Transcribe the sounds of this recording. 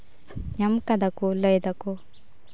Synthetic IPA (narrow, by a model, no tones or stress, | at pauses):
ɲɐmkɐd̪ɐkulɐjd̪ɐku